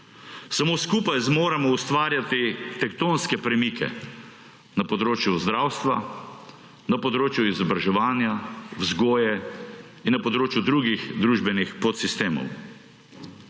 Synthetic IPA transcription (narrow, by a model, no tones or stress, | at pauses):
samoːskuːpajzmoːɾamɔust̪ʋaːɾjat̪it̪ɛkt̪oːnskɛpɾɛmikʰɛ̰ | nɐpɔd̪ɾoːt͡ʃjuzd̪ɾaːwst̪ʋa̰ | napɔd̪ɾoːt͡ʃjuizɔbɾaʒɛʋaːnjawzɡoːjɛ | innːɐpɔd̪ɾoːt͡ʃjud̪ɾuɡixd̪ɾuːʒbɛnixpɔt̪sist̪eːmɔ̰w